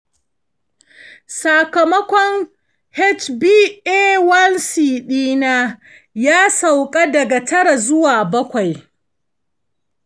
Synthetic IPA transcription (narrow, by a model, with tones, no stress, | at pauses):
sa˨kɐ˨mɐ˦kʷɔ˦ŋ | hɛ˦t͡ʃbiː˦ʔeː˦wɐ˦lsiː˨ɗiː˦na˦ | jaː˦sa˨wkʼa˦dɐ˨ɡa˨tɐ˦ɽa˨zʊ˦waː˨bɐ˦kʷa˨j